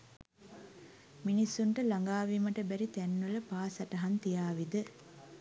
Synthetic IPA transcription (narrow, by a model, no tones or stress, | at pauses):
minisːuɳʈəlaŋɡaːʋiməʈəbæɾit̪ænːuləpaːsaʈɐɦant̪ijaːʋid̪ə